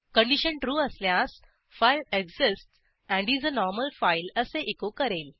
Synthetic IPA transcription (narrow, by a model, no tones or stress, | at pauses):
kə̃ɳɖiɕəɳʈɾuəsljãs | fajleɡzisʈ | æ̃ɳɖiːd͡zənɔɾməlfajləseʔekokəɾel